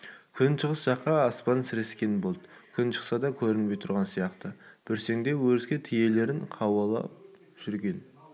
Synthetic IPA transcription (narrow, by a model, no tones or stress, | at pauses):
kʲʰʏnʃəʁəsʒ̥ɑqːɑːspɑnsɪɾe̞skʲe̞nbo̞lˠd̪əkʲʰʏnʃə̥qsɑd̪ɑkʲʰɵɾɪnbe̞jt̪ʰʊɾʁɑnsijɑqt̪əb̥ɪɾse̞ŋd̪e̞wɵzɡʲet̪ʰije̞le̞ɾɪɴqʰɑwɑlˠɑ̰p | ʒ̥ʏɾɡʲe̞n